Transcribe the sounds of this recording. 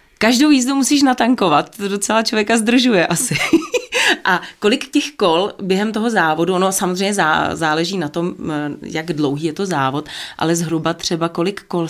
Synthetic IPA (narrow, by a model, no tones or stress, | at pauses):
kaʒdowjiːzdumusiːʃ̬nat̪aŋko̞vat̪̚ːodo̞t͡sɛlat͡ʃlo̞vjɛkazd̪r̩ʒujɛʔasɪ | ʔako̞lɪkcɛxko̞lbjɛɦɛmt̪o̞ɦo̞zaːvo̞duonosamozr̝ɛjɲɛza̰ːzaːlɛʒiːnat̪o̞mjaɡdlo̞wɦiːjɛt̪o̞zaːvo̞t̪ʔa̰lɛzɦɾubat̪r̝̥ɛbako̞lɪkːol